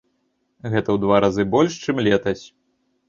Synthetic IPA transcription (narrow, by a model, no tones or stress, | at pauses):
ɣɛt̪ɐwd̪vaɾazɨbɔlʲʂt͡ʂɨmlʲɛt̪ɐsʲ